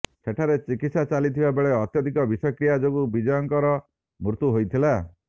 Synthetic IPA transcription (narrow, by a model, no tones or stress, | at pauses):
seʈʰaɾet͡ʃikit̪sat͡ʃalit̪ʰibabeɭeɔt̪jɔd̪ʱikɔbisɔjɔkɾijad͡ʒoɡubid͡ʒɔjɔŋkɔɾɔ | muɾt̪uɦojt̪ʰila